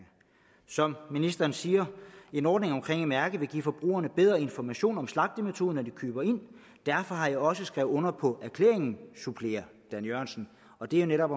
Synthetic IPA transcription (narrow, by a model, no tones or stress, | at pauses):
sɒ̽mminisd̥ɐnsiːɐe̝nɒːd̥ne̝ŋɒ̽mkʰʁeŋ̰emæɐɡ̥əʋe̝ɡḭːfɒ̽b̥ʁṵːɐnəb̥eð̞ˠʁɐe̝nfɒmæɕo̝̰ːnɒ̽mslɑ̈ɡ̥̚d̥əmet͡sʰo̝ːðˠənɒd̥ikʰyːb̥ɐe̝n̰ | d̥æɐfɒ̽ɦɑ̈jɑ̈ɪɒ̽səsɡ̥ʁɛʊɔ̽nɐpʰɒ̽æɐkʰlḛːɐe̝ŋn̩supʰle̝ːɐ | d̥ænjøɐnsn̩ | ɒ̽d̥e̝æjo̝neɾɒ̽b̥